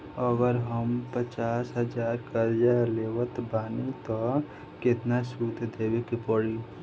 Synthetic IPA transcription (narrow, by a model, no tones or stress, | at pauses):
ɔɡəɾɦəmpət͡ʃaːsɦəd͡ʒaːɾkəɾd͡ʒaleːwət̪baːnit̪o | kɪt̪nasuːd̪d̪eːwekipɔɽi